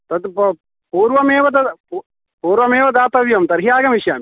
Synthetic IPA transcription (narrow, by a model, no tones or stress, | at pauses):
t̪ɐt̪p | puːɾʋɐmeːʋɐd̪ɐpu | puːɾʋɐmeːʋɐd̪aːt̪ɐʋjɐmt̪ɐɾɦijaːɡɐmiʃja̰ːmi